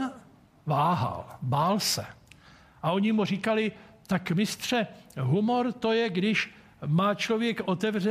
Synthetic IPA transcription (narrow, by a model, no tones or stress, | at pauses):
vaːɦa̰lbaːlsɛ | ʔaʔo̞ɲɪmur̝ikalɪt̪akmɪst̪r̝̥ɛɦumo̞ɾt̪o̞jɛɡdɪʃ | maːt͡ʃlo̞vjɛkʔo̞t̪ɛvr̝ɛ